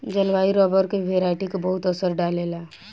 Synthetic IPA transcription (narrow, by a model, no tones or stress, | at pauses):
d͡ʒɐlʋaːiɾɔːbəɾkeʋʱeːɾaːʈikebɐɦʊt̪ɐsəɾɖaːlela